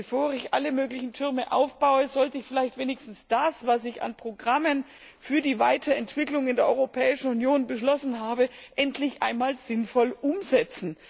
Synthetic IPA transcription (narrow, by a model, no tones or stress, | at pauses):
bəfoːʁɪçʔaləmøːɡlɪçn̩tʰʏʁməʔa̰ʊfb̥aʊəzɔltəɪçfɪlaɪçtv̥eːnɪçstn̩sd̥asv̥asɪça̰npʁ̥oɡʁamən | fyːɐdiːvaɪtʰɐɛntv̥ɪklʊŋɪndeːɐʔɔ̰ʏʁopʰɛːɪʃn̩unjoːnbəʃlɔsn̩ɦaːbəʔɛntʰlɪçʔa̰ɪnmaːlz̥ɪnfɔlʔʊmzɛt͡sn̩